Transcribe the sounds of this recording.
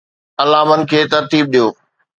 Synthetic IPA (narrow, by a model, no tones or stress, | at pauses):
ɐlaːmənɪ̆kʰeːt̪ɐɾt̪iːb̚ɗijoː